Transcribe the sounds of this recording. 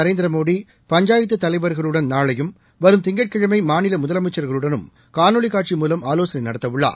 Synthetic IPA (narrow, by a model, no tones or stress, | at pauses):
ɐɾeːnd̪ɪɾɐmoːɽi | pɐɲd͡ʒaːjɪt̪ːɯt̪ːɐlɐɪʋɐɾɣɐɭɯɽɐnnaːɭɐjɯm | ʋɐɾɯmt̪ɪŋɡɐʈ̚kɪɻɐmɐɪmaːnɪlɐmʊðɐlɐmɐɪt͡ʃːɐɾɣɐɭɯɽɐnɯm | kaːnoɭɪkːaːʈ̚t͡ʃimuːlɐmaːloːsɐnɐɪnɐɽɐt̪ːɐʋɯɭːa̰ː